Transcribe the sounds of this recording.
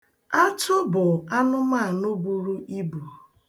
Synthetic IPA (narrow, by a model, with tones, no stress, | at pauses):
a˦tʰʊ˦bʊ˨a˦nʊ˦ma˦˨nʊ˦bu˨ɾu˦i˦bu˨